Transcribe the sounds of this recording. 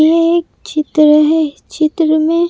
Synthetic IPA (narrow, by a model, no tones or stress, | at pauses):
jeːk̚t͡ʃɪt̪ɾəɦɛ | t͡ʃɪt̪ɾəmẽ